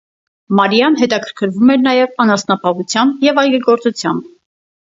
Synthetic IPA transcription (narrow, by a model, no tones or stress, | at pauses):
mɑɾjɑnɦɛt̪ɑkʰəɾkʰəɾvumɛɾnɑjɛvɑnɑsnɑpʰɑɦut͡sʰjɑmbjɛvɑjɡɛɡɔɾt͡sut͡sʰjɑmb